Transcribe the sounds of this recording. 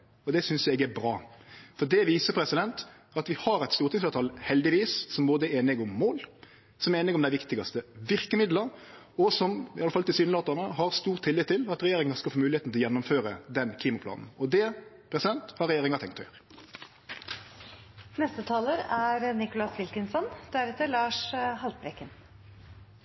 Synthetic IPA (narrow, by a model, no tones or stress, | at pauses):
ɔd̪ɛsʏnsɛɡæbɾɑːfɔd̪ɛʋiːsəpʰɾɛsɪd̪ɛnt̪ | ɑt̪ʋɪhɑɾɛɪt̪st̪uːɾt̪ʰɪŋslɑːt̪ʰɑlhɛld̪ɪʋiːssɔmboːd̪əɛeːnɪɡʊmːoːl | sɔmɛeːnɪɡɔmd̪æɪʋɪkt̪ɪɡɑst̪əʋɪɾkəmɪd̪ləɾ | ɔsɔmɪɑləfɑlt̪ɪsyːnloːt̪ɑnəhɑɾst̪uːʁt̪ʰːɪlːɪt̪ʰːɪlɑt̪ɾɛjeːɾɪŋɑskɑlfoːmʉːlɪeːt̪n̩ɪlɔjɛnːʊmføːɾəd̪ɛnkʰliːmɑpʰlɑ̰ːnn̩ɔd̪ɛ | pʰɾɛsɪd̪ɛnt̪hɑɾːɛjeːɾɪŋɑt̪ʰɛŋkt̪ɔjø̰ːɾə | nɛst̪ət̪ʰɑːləɾæɾnɪkʊlɑsʋɪlkənsɔnd̪̥æɾɛt̪ːəɭɑːʂhɑlt̪̚bɾɛkːən